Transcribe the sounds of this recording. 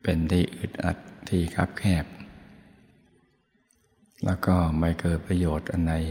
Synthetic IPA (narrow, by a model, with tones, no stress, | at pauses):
pe˧nt̪ʰiː˥˧˩ʔɯ˨˩t̪̚ʔa̰˨˩t̪̚ʰːiː˥˩kʰa̰˦˥p̚kʰɛː˥˩p̚ | lɛː˦˥wkɔː˥˩ma˧˩jkɤː˨˩t̪̚pɾa˧joː˨˩t̪̚ʔa˧nːa˧j